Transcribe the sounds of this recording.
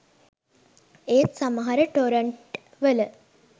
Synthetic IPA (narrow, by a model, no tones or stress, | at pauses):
eːt̪saməɦaɾəʈoɾəɳʈ | ʋələ